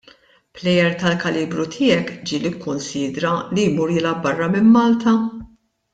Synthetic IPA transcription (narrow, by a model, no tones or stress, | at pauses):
plɛjɛɾt̪ɐlkɐliːbɾut̪ʰɪːɛkd͡ʒiːlikʰːʊnsiːd̪ɾɐlijmuːɾjɪlɐbɐrːɐmɪmːɐːlt̪ɐ